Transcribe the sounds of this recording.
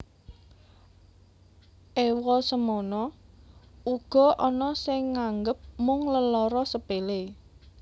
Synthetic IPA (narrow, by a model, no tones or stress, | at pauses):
ʔewɔsəmɔnɔ | uɡ̥ɔ̤ʔɔnɔsɪŋːaŋɡəp̚mʊŋləlɔɾɔsəpele